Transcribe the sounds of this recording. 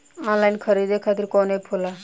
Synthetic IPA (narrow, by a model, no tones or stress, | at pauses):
ɔ̃ːnlaːinkʰəɾiːd̪ekʰaːt̪ɪɾkoːnepʰʊla